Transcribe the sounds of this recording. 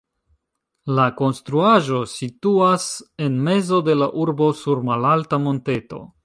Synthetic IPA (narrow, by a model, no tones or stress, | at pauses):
lako̞nstɾuaʒo̞situase̞nme̞zo̞de̞laʔuɾbo̞suɾmalaltamo̞nte̞to̞̰